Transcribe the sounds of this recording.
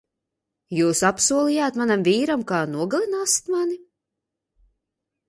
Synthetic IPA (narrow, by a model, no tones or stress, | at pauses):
juːsapsuɔlˠijaːt̪manamviːɾamkaːnuɔɡalˠinaːsi̥t̪mani